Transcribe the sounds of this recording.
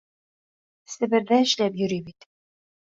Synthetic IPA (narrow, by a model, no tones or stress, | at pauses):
sɘ̆bɘ̆ɾðæɘ̆ʃlæpjɵ̆ɾibit̪